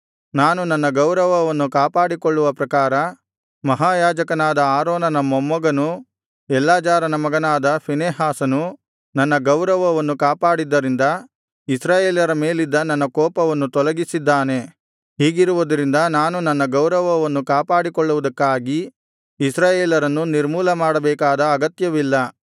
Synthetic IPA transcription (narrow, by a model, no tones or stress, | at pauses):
naːnunɐnːɐɡɐwɾɐʋɐʋɐnːukaːpaːɽikɔɭːuʋɐpɾɐkaːɾɐ | mɐɦaːjaːd͡ʒɐkɐnaːd̪ɐaːɾoːnɐnɐmːɔmːɐɡɐnu | ɛlːaːd͡ʒaːɾɐnɐmɐɡɐnaːd̪ɐpineːɦaːsɐnu | nɐnːɐɡɐwɾɐʋɐʋɐnːukaːpaːɽid̪ːɐɾind̪ɐ | isɾaːjeːljɐɾɐme̞ːlid̪ːɐnɐnːɐkɔːpɐʋɐnːut̪ɔlɐɡisid̪ːaːne̞ | ɦiːɡiɾuʋud̪ɐɾind̪ɐnaːnunɐnːɐɡɐwɾɐʋɐʋɐnːukaːpaːɽikɔɭːuʋud̪ɐkːaːɡi | isɾaːjeːlɐɾɐnːuniɾmuːlɐmaːɽɐbɛːkaːd̪ɐːɡɐt̪jɐʋilːɐ